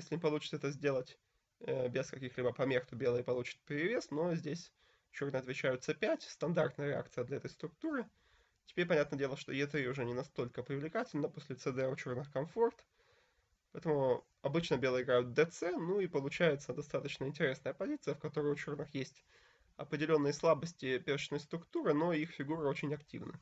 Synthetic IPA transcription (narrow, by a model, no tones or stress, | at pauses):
jesʲlʲɪnʲɪpɐlˠut͡ɕɪ̥səɛt̪əzʲdʲe̞lˠətʲ | bʲɪskɐkʲixlʲibəpɐmʲext̪obʲe̞lˠɨjəpɐlˠut͡ɕɪ̥t̪̚pʲɪɾɾʲɪvʲe̞sno̞zʲdʲesʲ | t͡ɕornɨjɐt̪vʲɪt͡ɕæjʊt̪sɨpʲætʲst̪ɐnd̪art̪nəjəɾʲɪa̰kt̪sɨjəd̪lʲɐɛt̪əjst̪ɾʊk̚t̪uɾɨ | tʲɪ̥bʲeɾʲpɐnʲat̪nədʲe̞lˠəʂt̪o̞jɪt̪ɾʲiʊʐɛnʲɪnɐst̪o̞lʲkəpɾʲɪvlʲɪkatʲɪlʲnəposʲlʲɪt̪sɨd̪ɛʊt͡ɕornɨxkɐmfo̞rt̪ | pɐɛt̪əmʊ | ɐbɨt͡ɕnəbʲe̞lˠɨjɡɾajʊt̪̚d̪ɛt̪sɛnuipəlˠʊt͡ɕæjɪt̪səd̪ɐst̪at̪ət͡ɕnəɪnʲtʲɪɾʲe̞snəjəpɐzʲit̪sɨjəfkɐt̪o̞ɾəjʊt͡ɕo̞rnɨxjesʲtʲ | ɐpɾʲɪdʲɪlʲo̞nːɨjəslˠabəsʲtʲɪpʲet͡ɕnəjst̪ɾʊkt̪uɾɨno̞ixfʲɪɡuɾɨo̞t͡ɕɪnʲɐktʲḭvnə̰